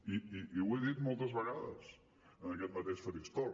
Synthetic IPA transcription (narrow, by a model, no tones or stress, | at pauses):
iiiweðit̪mɔlˠt̪əzβəɣaðə̰s | ənəkɛt̪̚mət̪ɛʃfəɾikst̪ɔ